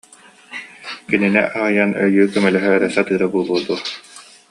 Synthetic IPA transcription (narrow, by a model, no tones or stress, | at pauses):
kininɛ̰ʔaʁɯjanœjyːkœmɛlœɦɛːɾɛsat̪ɯːɾabuːlˠuɔd̪uɐ